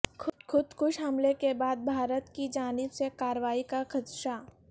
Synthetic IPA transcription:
kʰʊd̪kʰʊd̪kʰʊʃɦɐmlekebaːd̪̚bʱaːɾət̪kid͡ʒaːnɪbsekaːɾʋaːikakʰɐt̪ʃa

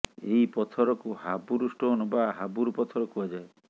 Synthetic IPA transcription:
eipɔt̪ʰɔɾɔkuhabuɾusʈoːnɔbaɦabuɾupɔt̪ʰɔɾɔkuad͡ʒae

